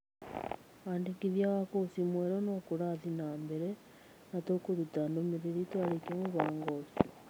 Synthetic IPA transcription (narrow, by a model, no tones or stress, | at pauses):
aːndekiðjaβakosimweɾonokuɾaðinaːmbeɾe | natokuɾutandomiɾeɾitwaɾekemuβaːŋɡosu